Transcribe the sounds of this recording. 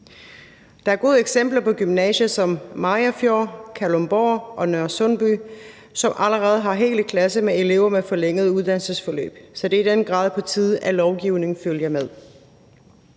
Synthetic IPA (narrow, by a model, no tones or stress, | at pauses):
d̥ɑ̈æɐɡ̥o̝ːð̞ˠeɡ̥sem̰b̥lɐpʰɒ̽ɡ̥ymnɛ̰ːɕəsɒ̽mːɑ̈ɐfjokʰælomb̥ɒːʔɒ̽nøɐ̰sɔnb̥y | sɒ̽mʔæləʁɛːð̞̩ˠɦɑ̈ɦe̝̰ːl̥kʰlæsəmee̝le̝ʊɐmefɒ̽leŋ̰əð̩ˠuð̞ˠd̥ænl̩səsfɒ̽lø̰ːb̥sɒ̽d̥e̝id̥enɡ̥ʁɑ̈ːðˠpʰɒ̽t͡sʰið̞ˠælɒʊɡ̥iʊ̰ne̝ŋ̩føljɐmeð̞ˠ